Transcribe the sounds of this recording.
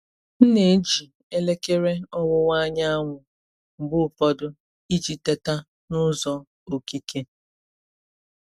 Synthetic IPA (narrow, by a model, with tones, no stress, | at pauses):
n̩˦ne˨˦d͡ʒi˨ | e˦le˦ke˦ɾe˦ɔ˦wʊ˦wa˦ɲa˦a˦ŋʷʊ˨ | ŋ͡m̩˨ɡ͡bʊ˦˨pɔ˦dʊ˦ | i˦d͡ʒi˨te˦ta˦ | nʊ˦zɔ˦ | o˨ki˦ke˦